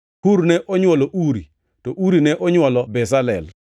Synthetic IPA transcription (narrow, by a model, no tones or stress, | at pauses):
huɾnɛʔɔɲwɔlɔʔuɾḭ | tɔʔuɾinɛʔɔɲwɔlɔbɛsalɛ̰l